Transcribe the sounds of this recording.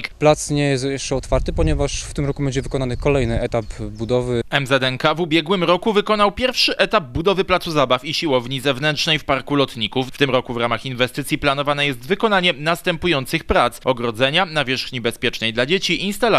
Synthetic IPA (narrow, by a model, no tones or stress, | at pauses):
kplat̪sɲɛjɛst̪jɛʂt͡ʂɛɔt̪faɾt̪ɘpɔɲɛvaʂft̪ɘmɾɔkubɛɲd͡ʑɛvɘkɔnanɘkɔlɛjnɘɛt̪apbud̪ɔvɘɛmzɛd̪ɛŋkavubʲjɛɡwɘmɾɔkuvɘkɔn̪awpʲjɛɾfʂɘʔɛt̪ab̚bud̪ɔvɘplat̪suzabafiɕiwɔvɲizɛvnɛntt͡ʂnɛjfpaɾkulɔt̪ɲikufːt̪ɘmɾɔkuvɾamaxinvɛst̪ɘt̪sʲjiplan̪ɔvanɛjɛst̪vɘkɔnaɲɛnast̪ɛmpujɔnt̪sɘxpɾat̪sɔɡɾɔd̪zɛɲanavʲjɛʂxɲibɛspʲjɛt͡ʂnɛjd̪lad͡ʑet͡ɕiinst̪ala